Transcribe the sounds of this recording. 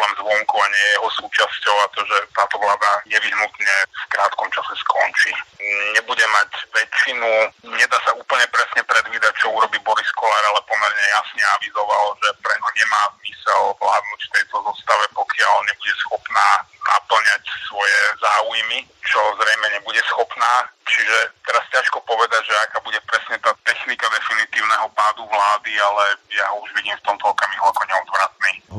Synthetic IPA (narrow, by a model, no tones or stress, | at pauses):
lɛmzʋɔŋkɔʊaɲɪɛjjɛɦɔsuːt͡ʃascɔʊat̪ɔʒɛt̪aːt̪ɔʋlaːd̪aɲɛʋiɦnut̪ɲɛfkɾaːt̪kɔmt͡ʃasɛskɔnt͡ʃiːɲɛbuɟɛmacʋɛt͡ʃinuɲɛd̪aːsaʔuːpl̩ɲɛpɾɛsɲɛpɾɛd̪ʋiːd̪ac̚t͡ʃɔuɾɔbiːbɔɾiskɔlaːɾalɛpɔmɛɾɲɛjasɲɛaʋizɔʋalʒɛpɾɛɲɦɔɲɛmaːzmisɛlʋlaːd̪nucft̪ɛjt̪ɔzɔst̪aʋɛpɔkɪalɔɲɛbuɟɛsxɔpnaːna̰pl̩ɲacsʋɔjɛzaːujmit͡ʃɔzɾɛjmɛɲɛbuɟɛsxɔpnaːt͡ʃiʒɛt̪ɛɾascaʃkɔpɔʋɛd̪aɟʒɛakaːbuɟɛpɾɛsɲɛt̪aːt̪ɛxnikad̪ɛfinit̪iːʊnɛɦɔpaːd̪uʋlaːd̪ialɛjaɦɔuʒʋiɟiːmft̪ɔmt̪ɔɾɔkamiɦɔakɔɲɛɔd̪ʋɾat̪̚niː